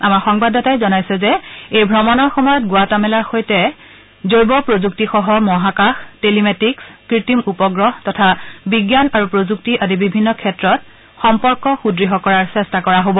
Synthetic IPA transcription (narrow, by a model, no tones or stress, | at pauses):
amaɹxɔŋbadɔtajzɔnajsɛzɛejbʱɹɔmɔnɔɹxɔmɔjɔt̚ɡʊatamɛlaɹxojtɛ | zojbɔpɹozuk̚tixɔɦɔmɔɦakaxtelimetikskɹitimupɔɡɹɔɦtɔtʰabiɡjanaɹupɹozuktiʔadibibʱinːɔkʰɛtɹɔt̚ | xɔmpɔɹkɔxudɹiɦɔkɔɹaɹsɛstakɔɹaɦobɔ